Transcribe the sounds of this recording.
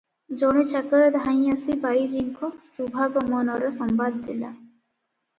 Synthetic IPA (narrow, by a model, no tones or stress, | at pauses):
d͡ʒɔɽ̃et͡ʃakɔɾɔd̪ʱaj̃asibajd͡ʒiŋkʰɔsubʱaɡɔmɔnɔɾɔsɔmbad̪ːila̰